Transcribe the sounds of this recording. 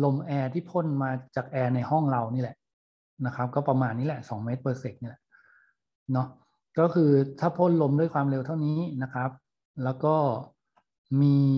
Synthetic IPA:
lo˧mʔɛː˧t̪ʰiː˥˩pʰo˥˨nmaː˧t͡ɕaː˨˩k̚ʔɛː˧na˧jhɔ˥˩ŋɾa˧wniː˥˩lɛ˨˩ʔ | na˦˥kʰa˦˥p̚kɔː˥˩pɾa˧maː˧nːiː˦˥lɛ˨˩ʔsɔː˩˦ŋmeː˦˥t̪̚bɤː˧se˨˩k̪̚niː˥˩lɛ˨˩ʔ | nɔ˦˥ | kɔː˥˩kʰɯː˧t̪ʰaː˥˩pʰo˥˩nlo˧mdu˥˩əjkʰwaː˧mɾe˧wt̪ʰa˥˩wniː˦˥na˦˥kʰɾa˦˥p̚ | lɛː˦˥wkɔː˥˩ | miː˧

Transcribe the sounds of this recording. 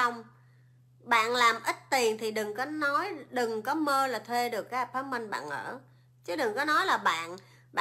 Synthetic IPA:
a˧wŋ͡m | ɓa̰ː˧˨nlaː˨˩mʔï˦˥t̚t̪i˨˩ənt̪ʰi˨˩ɗɨ˨˩ŋkɔ˨˦nɔ˨˦jɗɨ˨˩ŋkɔ˨˦məː˧laː˨˩t̪ʰwe˧ɗɨ˨˩əkːaː˨˦p̚faː˨˦mi˧ŋɓa̰ː˧˨nʔə̰ː˧˩ | t͡ɕɨ˨˦ɗɨ˨˩ŋkɔ˨˦nɔ˨˦jlaː˨˩ɓa̰ː˧˨n | ɓa̰ː˧

